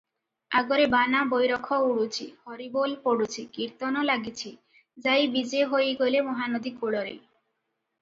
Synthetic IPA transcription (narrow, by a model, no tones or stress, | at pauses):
aɡoɾebanabojɾɔkʰɔuɽut͡ʃʰihɔɾibolpoɽut͡ʃʰikiɾt̪ɔnɔlaɡit͡ɕʰi | d͡ʒajbid͡ʒeɦojɡolemɔɦanod̪ikuɽɔɾḛ